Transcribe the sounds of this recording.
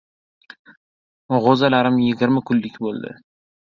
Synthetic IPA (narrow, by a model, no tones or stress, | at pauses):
ʁozalaɾɪmjɪɡʲɪɾmakʰʊlːɪkʲbolˠd̪ɪ̰